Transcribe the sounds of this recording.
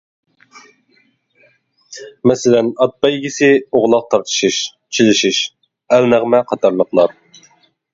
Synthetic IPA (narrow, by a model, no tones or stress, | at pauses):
mɛsɪlɛnɑt̪̚bɑjɡʲisɪoʁlˠɑq̚t̪ʰɑɾt̪ʰɨ̥ʃiʃ | t͡ʃʰilɪʃiʃ | ɛlnæʁmɛqʰɑt̪ʰɑɾlˠəqlˠɑɾ